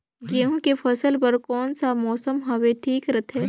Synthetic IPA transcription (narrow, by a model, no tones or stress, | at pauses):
kiɦõkefɐsəlpɐɾkɔːnsamɔːsəmɦɐʋeʈʰiːkɾɐt̪ʰɛː